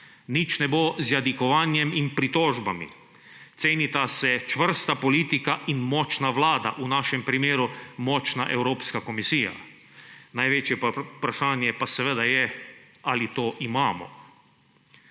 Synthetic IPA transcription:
nit͡ʃnɛbozjad̪ikɔʋaːnjɛminpɾit̪ɔːʒbamḭ | t̪seːnit̪asɛt͡ʃʋər̩st̪apɔliːt̪ikaʔinmɔːt͡ʃnaʋlaːd̪a̰ʔunaːʃɛmpɾimeːɾumɔːt͡ʃnaʔɛwɾoːpskakomisiːja̰ | najʋet͡ʃjɛpɾaʃaːnjɛpasɛʋed̪ajɛ | alit̪oːʔimaːmɔ̰

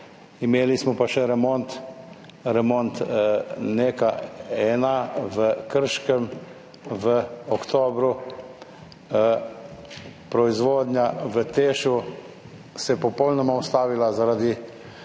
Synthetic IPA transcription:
imeːlismɔpaʃɛɾɛmont̪ | ɾɛmoːnt̪ | neːkaɛːnaʋəkəɾʃkəm | ʋəɔkt̪oːbɾu | pɾɔizʋoːd̪ɲjaʋət̪eːʃu | sɛpɔpɔwlnɔmaɔst̪aːʋilazaɾad̪i

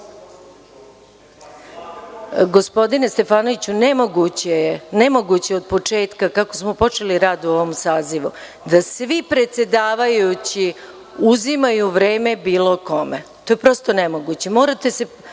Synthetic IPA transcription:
ɡo̞spo̞d̪ine̞st̪e̞faːnoʋit͡ɕunemoɡut͡ɕenemo̞ɡut͡ɕeo̞d̪̚po̞t͡ʂe̞ːt̪kakako̞smopo̞t͡ʃe̞liɾaːd̪uo̞ʋomsaːziʋṵ | d̪asʋipɾe̞t̪se̞d̪aːʋajut͡ɕi | uzimajuʋɾe̞ːme̞biːlo̞ko̞met̪ojepɾo̞st̪onemoɡut͡ɕe̞mo̞ːɾat̪e̞se

